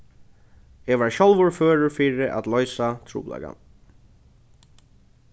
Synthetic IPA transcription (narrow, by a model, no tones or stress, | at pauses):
ɛʋaɹɕɔlvʊɹføːɹʊɹfiːɾɪʔa̰t̪lɔʏsat̪ʰɾṵːpla̰ka̰